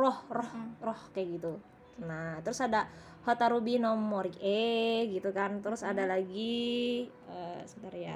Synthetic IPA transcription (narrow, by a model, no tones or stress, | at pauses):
rɔhrɔhrɔhkajaɡit̪u | nat̪ɾʊsada | hot̪aɾubinɔmːɔɾikɛɡit̪ukant̪ɾʊsadalaɡi | əsət̪aɾja̰